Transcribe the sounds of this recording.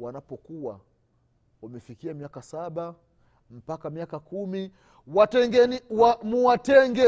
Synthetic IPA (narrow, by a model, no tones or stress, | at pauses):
wanapɔkuwa | wamɛfikiamiakasaɓa | m̩pakamiakakumi | watɛŋɡɛniwamuwatɛŋɡɛ